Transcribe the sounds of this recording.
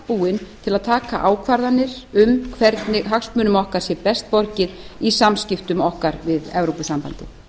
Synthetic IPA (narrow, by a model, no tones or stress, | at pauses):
puːɪnt̪ʰɪlaðt̪ʰaːka̰ʔaːwkʰvaɾðanːɪɾ̥ʏmkʰvɛɾt̪nɪɦaksmʏːnʏmɔhkaɾ̥sjɛpɛst̪̚pɔɾcɪðisamscɪft̪ʏmɔhkaɾvɪðɛvɾowpʏsampa̰nt̪ɪ̰